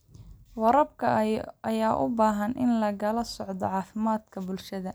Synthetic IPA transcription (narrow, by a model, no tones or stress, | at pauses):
wɐɾɐbkʰɐʔɐjaːʔʊ̰baːɦɐnʔɪnlɐɣɐlɐsɔʕd̪ɔ̰ʕɑːfɪmaːd̪kʰɐbʊlʃɐðɐ